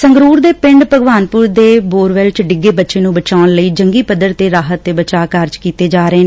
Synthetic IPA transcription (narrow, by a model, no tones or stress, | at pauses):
səŋɡɾuːɾd̪eːpɪ̃ɳɖpəɡʋaːnpʊɾd̪eːboːɾʋɛːlt͡ʃɖɪɡeːbətːʃeːnũːbət͡ʃaːnləiːd͡ʒəŋɡiːpəd̪əɾt̪eːɾaːɦət̪ːeːbət͡ʃaːkaɾd͡ʒkiːt̪eːd͡ʒaːɾəeː